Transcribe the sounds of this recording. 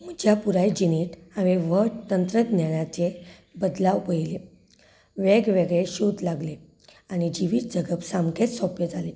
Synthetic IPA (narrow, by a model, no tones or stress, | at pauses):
m̤ud͡ʑjapuɾajd͡ʑiniʈaʋiʋət̪ənt̪ɾəɡ̪nanat͡ɕe | bəd̪laupəjile | ʋeɡʋeɡɭeɕud̪laɡle | añid͡ʑiʋiːt̪̚d͡zəɡəpsamkʰet͡s̪sɔpjəd͡zʱale